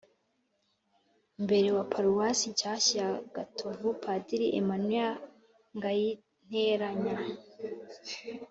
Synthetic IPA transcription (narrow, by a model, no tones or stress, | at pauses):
mbe̞ɾewapʰaɾuwasicasiaɡ̥atʰovupʰadiɾiʔḛmanwia | ŋɡaji | n̥heɾaɲa